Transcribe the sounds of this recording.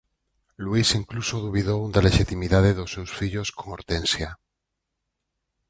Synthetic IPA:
lwisiŋklusoðuβ̞iðowd̪aleʃit̪imiðaðeðosːewsfiʎoskoŋoɾt̪ẽnsja

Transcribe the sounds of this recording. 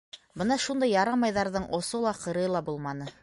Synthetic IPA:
bɤnɑʃund̪ɑjːɑɾɑmɑjðɑɾðɤɴʔŏsolˠɑqɤ̆ɾɤlˠɑbulˠmɑnɤ

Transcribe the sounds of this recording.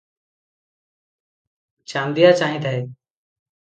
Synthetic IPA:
t͡ʃãːnd̪ʱijaːt͡ʃaːɦĩːt̪ʰəɦeː

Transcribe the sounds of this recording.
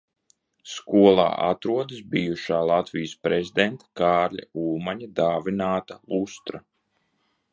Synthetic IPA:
skuɔlˠa̰ːʔa̰t̪ɾuɔd̪ɨsbijuʃaːlˠat̪vijəspɾezʲid̪ɛnt̪ḁkaːɾlʲa̰uːmaɲad̪aːvʲinaːt̪alˠust̪ɾa

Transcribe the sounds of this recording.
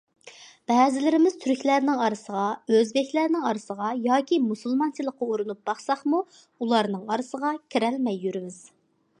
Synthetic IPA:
b̥ɛːzɪlɪɾɪmɪz̥t̪ʰyɾkʲlæɾnɪŋɑɾɨsəʁɑøzbɛkʲlæɾnɪŋɑɾɨsəʁɑjɑːkʲʰimusulˠmɑnt͡ʃʰilˠəqːɑuɾɨnup̚b̥ɑχsɑχmu | ulˠɑɾnɨŋɑɾɨsəʁɑkʲʰiɾɛlmɛjːyɾɪmɪz̥

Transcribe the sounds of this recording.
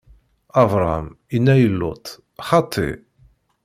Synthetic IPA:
ɑvɾˤɑm | inːæjəlːʊt̪ˤ | χɑt̪ʰˤːḭ

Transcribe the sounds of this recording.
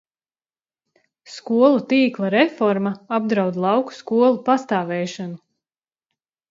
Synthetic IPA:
skuɔlˠut̪iːklˠaɾɛfɔɾmaab̚d̪ɾaɑwd̪lˠɑwku̥skuɔlˠupast̪aːvɛːʃanu

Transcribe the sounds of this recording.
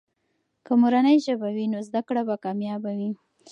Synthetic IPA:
kəmuɾanəjʒəbawinozd̪akɽabakɑmjɑbawi

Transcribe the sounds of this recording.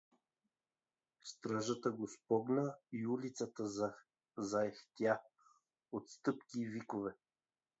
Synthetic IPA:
st̪ɾaʒət̪əɡospɔɡnəiulit̪sət̪ə | zaɛxt̪ʲja | ot̪st̪ɤpkʲiːvikovɛ

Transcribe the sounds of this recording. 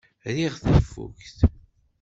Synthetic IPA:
ɾiʁθəfːṵkθ

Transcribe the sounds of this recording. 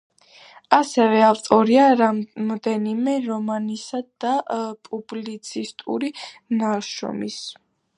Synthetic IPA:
asɛvɛavt̪ʼɔɾiaɾamɔd̪ɛnimɛɾɔmanisad̪apʼublit̪sʰist̪ʼṵɾinaʃɔ̰mis

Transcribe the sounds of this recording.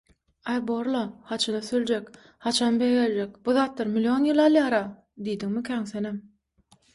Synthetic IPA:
ɑjboɾlˠɑhɑt͡ʃʰɑd̪ɑθøld͡ʒek | hɑt͡ʃʰɑnbejɡelʲd͡ʒek̚b̥uðɑːt̪lˠɑɾmilʲio̞njɯlˠɑlˠjɑːɾɑ | d̪ijd̪iŋmikʲʰæːŋθenem

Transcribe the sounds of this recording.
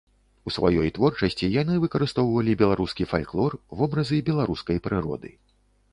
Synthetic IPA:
usva̰jɔjt̪vɔrt͡ʂɐsʲt͡sʲijan̪ɨvɨkɐɾɨst̪ɔwvɐlʲibʲɛlˠaɾuskʲifalʲklˠɔrvɔbɾɐzɨbʲɛlˠaɾuskɐjpɾɨɾɔ̰d̪ɨ̰

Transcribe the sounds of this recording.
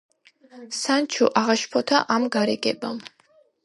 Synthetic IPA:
sant͡ʃʰuʔaʁaʃpʰɔt̪ʰa̰ʔamɡaɾɛɡʼɛ̰bam

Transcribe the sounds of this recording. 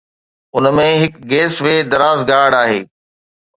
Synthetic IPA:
ʊnmẽɦɪkɡeːsʋeːd̪ɐɾaːzɡaːɽaːɦeː

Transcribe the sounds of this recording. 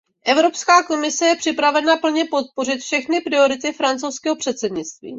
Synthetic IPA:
ʔɛvɾo̞pskaːko̞mɪsɛjɛpr̥ɪpɾavɛnapl̩ɲɛpo̞t̪̚po̞r̝ɪt̪fʃɛxnɪpɾɪo̞ɾɪt̪ɪfɾant͡sowskɛːɦo̞pr̝̥ɛt̪sɛdɲɪt͡st̪vḭː

